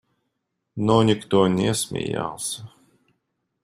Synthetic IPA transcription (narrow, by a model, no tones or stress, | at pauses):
nɔnʲikt̪uːnʲɛsmʲḭja̰ls